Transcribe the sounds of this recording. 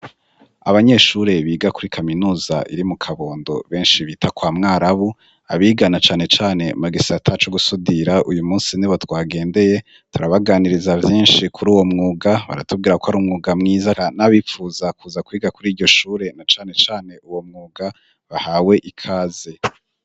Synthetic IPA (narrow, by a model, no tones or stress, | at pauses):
a̰βaɲe̞ʃuɾe̞βiːɡakuɾikʰaminuːza̰ʔiɾimukʰaβo̞ːndo̞̰βe̞ːnʃiβitʰakwaːmŋaːɾaβu | a̰βiːɡanat͡ʃaːne̞t͡ʃaːne̞umuɡisatʰat͡ʃo̞ɡusudiɾaʔujumuːnsiniβo̞twaːɡe̞ːnde̞je̞ | tuɾaβaɡaːniɾizavjiːnʃikʰuɾuːwo̞mŋuːɡaβa̰ɾa̰tub̚ɡiːɾakohaɾuːmŋuːɡamŋiːzaanaβifuːzakuːzakwiːɡakuɾiːɾɟo̞ʃuːɾe̞nat͡ʃaːne̞t͡ʃaːne̞ʔuwo̞mŋuːɡa | βahaːwe̞ʔikʰaːze